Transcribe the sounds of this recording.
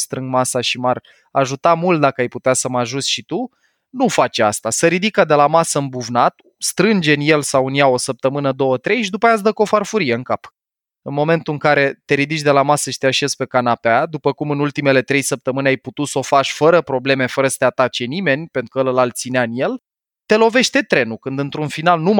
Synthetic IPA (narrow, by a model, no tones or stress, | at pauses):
st̪ɾɨŋɡmasaʃimar | aʒut̪amult̪̚d̪akəajput̪easəmaʒusʲʃit̪u | nufat͡ʃa̰st̪asəɾid̪ikəd̪e̞lamasəɨmbuvnat̪ | st̪ɾɨnd͡ʒe̞nje̞lsawɨnjao̞səp̚t̪əmɨnəd̪o̞wət̪ɾe̞jʃid̪upajat̪s̬d̪əko̞farfuɾije̞ɨŋkap | ɨnmo̞me̞nt̪uɨŋkaɾe̞t̪e̞ɾid̪it͡ʃʲd̪e̞lamasəʃt̪eaʃiezpe̞kanapead̪upəkumɨnult̪ime̞le̞t̪ɾe̞jsəp̚t̪əmɨneajput̪ut̪so̞faʃʲfəɾəpɾo̞ble̞me̞fəɾəsə̥t̪eat̪at͡ʃe̞nime̞nʲpe̞nt̪ɾukələlalt̪sineaɨnje̞l | t̪e̞lo̞ve̞ʃt̪e̞t̪ɾe̞nukɨnd̪ɨnt̪ɾunfinalnum